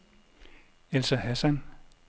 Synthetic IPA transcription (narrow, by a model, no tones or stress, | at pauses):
elsɐɦæsæn